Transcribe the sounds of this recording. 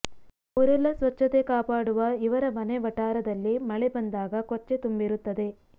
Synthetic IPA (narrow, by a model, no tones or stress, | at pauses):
uɾɛlːɐsʋɐt͡ʃːɐt̪e̞kaːpaːɽuʋɐiʋɐɾɐmɐneʋɐʈaːɾɐd̪ɐlːimɐɭebɐnd̪aːɡɐkot͡ʃːe̞t̪umbiɾut̪ːɐd̪e̞